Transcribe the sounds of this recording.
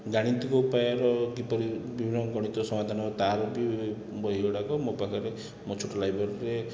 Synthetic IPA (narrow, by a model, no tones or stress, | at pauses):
ɡaɽ̃int̪ikɔupajaɾɔɡipɔɾibibʱinːɔɡɔɽ̃it̪ɔsɔmad̪ʱanɔt̪aɾɔbi | bɔɦioɽakɔmopakɔɾe | mɔt͡ʃʰoʈɔlajbʱɔɾɾe